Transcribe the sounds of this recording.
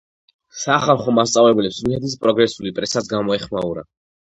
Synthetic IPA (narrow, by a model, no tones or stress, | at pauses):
saːχaɾˠχɔmast̪sʼavlɛblɛpsmihɛd̪is̬pʼɾɔɡɾɛsulipʼɾɛsasɡamɔɛχmauɾa̰